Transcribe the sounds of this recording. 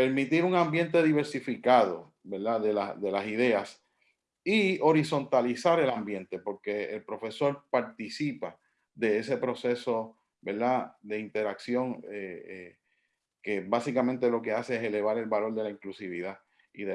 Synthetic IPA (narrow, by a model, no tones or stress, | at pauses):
pe̞ɾmit̪iɾuŋãmbje̞nt̪e̞ðiβe̞ɾsifikaðo̞̰ | be̞ɾðaðe̞lad̪e̞lasiðe̞as | io̞ɾiso̞nt̪alisaɾe̞lambje̞nt̪e̞po̞ɾke̞ːlpɾo̞fe̞so̞ɾpaɾt̪isipa | ðe̞ese̞pɾo̞se̞so̞ | be̞ɾðaðe̞int̪e̞ɾaksjo̞ŋee | ke̞basikamẽnt̪e̞lo̞ke̞ase̞ese̞le̞βaɾe̞lβalo̞ɾðe̞laiŋklusiβiða | iðe